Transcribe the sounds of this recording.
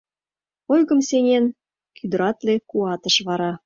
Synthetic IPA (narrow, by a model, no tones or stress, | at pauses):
ojɣə̆msenʲen | kʰyd̪ə̆ɾɑt̪lekuɑt̪əʃβɑɾɑ